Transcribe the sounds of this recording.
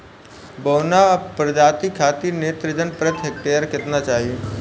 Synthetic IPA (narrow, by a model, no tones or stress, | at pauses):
boːnapɾd͡ʒaːt̪ikʰaːt̪ineːt̪ɾəd͡ʒənpɾət̪ɦek̚ʈeːɾkɪt̪nat͡ʃaːɦie